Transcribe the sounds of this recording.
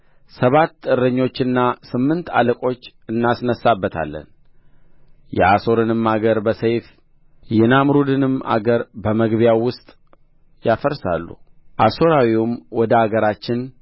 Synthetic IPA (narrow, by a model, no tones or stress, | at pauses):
səβat̪ːɨrːɨɲːo̞t͡ʃːɨnːasɨmːɨnt̪ʰa̰ləkʼo̞t͡ʃː | ɨnːasnəsːabːət̪ʰa̰lːə̰n | jɛ̰ʔaso̞ɾɨnɨmːaɡəɾbəsəjf | jɛnamɾud̪ɨnɨma̰ɡəɾbəməɡβjawʊst̪ʼ | jafəɾsa̰lːṵʔaso̞ɾawiwʊmwɔd̪əaɡəɾat͡ʃːɪn